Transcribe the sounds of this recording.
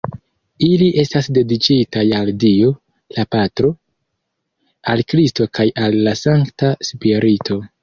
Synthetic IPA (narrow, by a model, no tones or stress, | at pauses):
iliʔe̞stasde̞dit͡ʃitajaldio | lapatɾo̞ | alkɾisto̞kajalːasaŋktaspiɾʔitʰo̞